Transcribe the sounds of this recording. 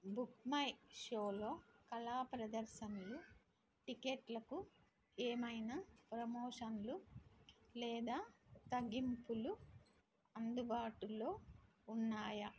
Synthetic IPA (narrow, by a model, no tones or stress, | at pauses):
bukmɐjʂoːlo̞ːkɐlaːpɾɐd̪ɐɾʃɐnlu | ʈikeʈlɐku | eːmɐjnɐpɾɐmoːʂɐnlu | lɛːd̪aːt̪ɐɡimpulu | ɐnd̪ubaːʈulo̞ː | unːaːjɐ